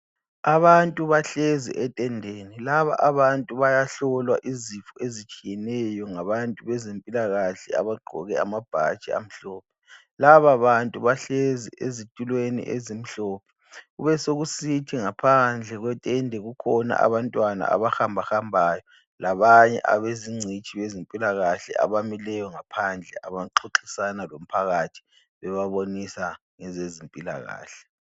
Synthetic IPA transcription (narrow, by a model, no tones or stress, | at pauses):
aβantʼuβaɬɛzḭʔɛtʼɛndʱeːnilaβa̰ʔaβantʼuβajaɬɔlwaʔizifuezit͡ʃʼijɛnɛjɔŋaβantʼuβɛzempʼilaɣaɬɛ̰a̰βaɡ͡ǃʱɔ̰ɣɛa̰mab̥ʱa̰d̥t͡ʃʼɛ̰a̰m̩ɬɔːp̚ʰɛ̥ | laβaβantʼuβaɬɛzḭʔḛzitʼulwenḭʔḛzim̩ɬɔːpʰɛ̥ | uβɛsoɣusitʰiŋapʰand͡ɮʱɛɣwɛtʼɛndʱɛɣukʰɔna̰ʔa̰βantʼwana̰a̰βaxambʱaxambʱaːjɔ | laβaɲɛ̰ʔa̰βeziŋ͡ǀʱit͡ʃʰʼiβezimpʼilaɣaɬɛ̰a̰βamilɛjɔŋapʰand͡ɮʱɛʔaβaǁʰoǁʰisanalom̩pʰaɣatʰi̥ | βɛβaβonisa | ŋɛzezimpʼila̰ɣa̰ːɬɛ̥